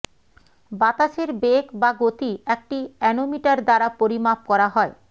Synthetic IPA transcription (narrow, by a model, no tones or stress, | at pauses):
bat̪aʃeɾbekbaɡot̪iek̚ʈiɛnomiʈaɾd̪aɾapoɾimap̚kɔɾaɦɔe